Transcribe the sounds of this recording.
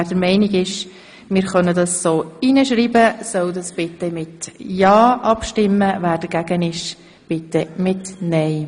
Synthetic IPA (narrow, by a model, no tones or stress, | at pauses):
d̥əɾmɛɪniɡɪʃ | mɪːɾχœnədɑsːoːinəʃɾiːbəsœwdɑsb̥ɪt̪ɛmɪtjɑːʔɑpʃtɪmːəvæːɾd̥əɾɡ̥æɡənɪʃ | b̥ɪt̪ːɛmɪtnɛɪ